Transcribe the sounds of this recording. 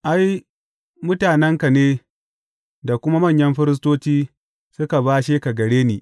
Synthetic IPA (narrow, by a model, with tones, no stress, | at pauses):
ʔa˦j | mʊ˦taː˨nɛ˦ŋka˨neː˦ | da˨kʷʊ˦ma˦mɐ˦˨ɲjɐ˦mɸɪ˦ɾɪ˦s̬toː˦t͡ʃiː˦ | sʊ˦ka˨baː˦ʃeː˦ka˨ɡɐ˨ɽeː˦niː˨